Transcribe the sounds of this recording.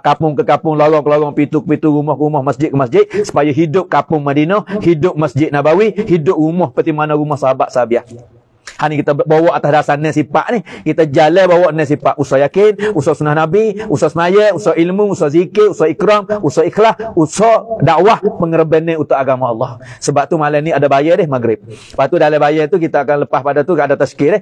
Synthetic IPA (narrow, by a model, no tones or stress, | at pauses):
kapʊŋkəkapʊŋloɾɔŋkəloɣɔŋpit̪ukəpit̪uɾumɔhkəumɔhməsd͡ʒɪt̪̚kəmasd͡ʒɪt̪̚su̥pajəɦidʊp̚kapʊŋmadinɔhidʊp̚məsd͡ʒɪt̪̚nabawihidʊp̚ɾumɔhpət̪imanɔɾumɔhsaɦabaʔ̪sabiah | hanikit̪abowɔʔat̪asdasanːɛsipa̰ʔnɪhkit̪ad͡ʒalɛbawɔʔnɛs̬ipaʔusɔjakɪnusɔsunahnabiusɔsənajɛusɔʔilmuusɔzikɪusɔikɾɔmusɔixlausɔdaʔwahpəŋəɾəbɛnːɛut̪ʊʔ̚aɡamaɑlˠːɔhsəbap̚t̪umalaniadabajɛdɛhmaɡɾɪp̚əpat̪udalɛbajɛt̪uk̬it̪aːkanləpahpadat̪uadat̪askɪdɛh